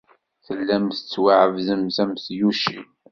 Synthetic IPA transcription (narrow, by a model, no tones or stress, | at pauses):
θəlːæmθət͡sːwaʕəvðəmθæmθjuʃin